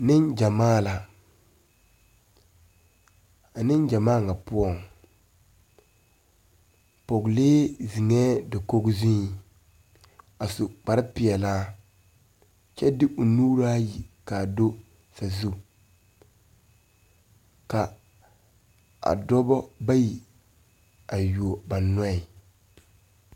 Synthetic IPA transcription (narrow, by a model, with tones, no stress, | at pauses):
nɪ˦nd͡ʒa˨maː˦la˨ | a˨nɪ˦nd͡ʒa˨maː˦˨ŋa˨pʊ˦ɔ˦˨ŋ | po˨ɡleː˦zi˨ŋɛː˦dɪ˨ko˦ɡzĩ˦˨ | a˨sʊ˨k͡pa˨ɾɪ˦pɪ˨ɛ˨laː˦ | t͡ʃɛ˦dɪ˦ʔʊ˨nuː˦ɾa˦ji˨ka˨do˦ | sa˨zu˦ | ka˨ | a̰˨dɔ˦bɔ˦ba˦ji˨ | a˨ju˨o˨ba˨nɔ˦ɪ˨